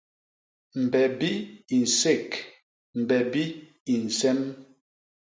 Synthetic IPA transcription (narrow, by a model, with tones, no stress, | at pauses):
m̩˨bɛ˨bi˦i˨n̩˨se˦˨k | m̩˨bɛ˨bi˦ | i˨n̩˨sɛ˦m